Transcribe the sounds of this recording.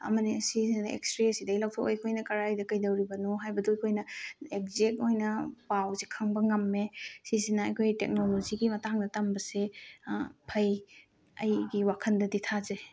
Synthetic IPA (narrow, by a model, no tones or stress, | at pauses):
ɐ̰mɐniɐsiznɐḛkstɾesidɐjlawtʰokojkʰojnɐkɐɾajdɐkɐjdɐwɾibɐnoɦajbɐduɐjkʰojnɐek̚zek̚ojnɐpawzikʰɐŋbɐŋɐmːesizinɐɐjkʰojtḛk̚noloziɡimɐtaŋdɐtambɐse | pʰɐj | ɐjɡiwakʰɐndɐditʰaze